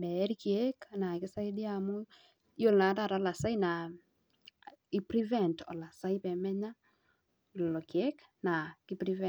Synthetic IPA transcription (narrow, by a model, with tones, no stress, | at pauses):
bɛ˨˦ɾi˦kiɛ˦kna˨kɪ˦sa˦i˦di˦amu˦ | jo˦lna˨˦ta˦˨ɾa˨˦la˨sa˦ina˨ | i˦pɾi˦vɛ˦˨ntɔ̰˨la˨sa˦i˦pɛ˨mɛ˦ɲa˦ | lɔ˨lo˨kjɛ˦k | na˨ki˦pɾi˦vɛ